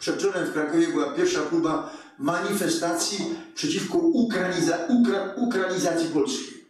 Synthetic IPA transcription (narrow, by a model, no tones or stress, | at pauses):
pʂɛt̪̚t͡ʃɔnɛmfkɾakɔvʲjɛbɨwapʲjɛɾfʂakluba | maɲifɛst̪at̪sʲjipʂɛt͡ɕifkɔukɾaauaukɾaɲizat̪sʲipɔlskʲej